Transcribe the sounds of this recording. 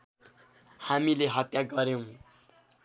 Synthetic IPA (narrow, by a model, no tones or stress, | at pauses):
hamileɦʌt̪jaɡʌɾew̃